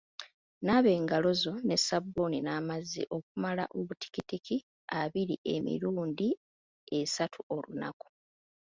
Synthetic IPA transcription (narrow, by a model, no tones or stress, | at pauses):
naβe̞ːŋɡalo̞zo̞ne̞sabːoninaːmazḭʔo̞k̚umala̰ʔoβuti̥kitikʰi | aβiɾḭʔe̞mḭɾuːndi | e̞satʰuo̞lṵna̰ku̥